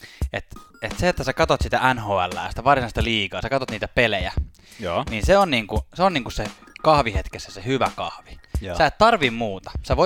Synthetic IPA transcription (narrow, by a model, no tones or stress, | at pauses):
et̪et̪seet̪ːæsekɑt̪ot̪sit̪æænhoːæ̰lːæ̰ˑːjɑsi̥t̪æʋɑrsinɑst̪ɑliːkɑːsekɑt̪ot̪niːt̪æpelejæ | jninseonniːŋkuseoniːŋkusse | kɑhʋihet̪kesːæsehyʋæ̰kɑhʋiæet̪t̪ɑrʋimmuːt̪ɑ̥seʋo